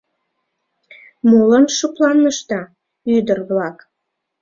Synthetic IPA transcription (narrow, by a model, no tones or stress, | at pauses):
molənʃuplɑnːəʃt̪ɑ | yd̪ərβlɑk